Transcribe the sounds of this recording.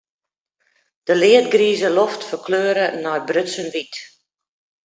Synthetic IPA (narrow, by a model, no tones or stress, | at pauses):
d̥əlɪət̚ɡriːzəloftfərkʰløːɾənɔjbrøtsənʋit